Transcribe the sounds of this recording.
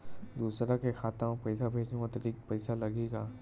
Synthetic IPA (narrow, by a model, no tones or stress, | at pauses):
d̪uːsɾakexaːt̪ãpɐɪsabʱeːd͡ʒnũkat̪ɐɾiːkpɐɪsalɐɡeːɡaː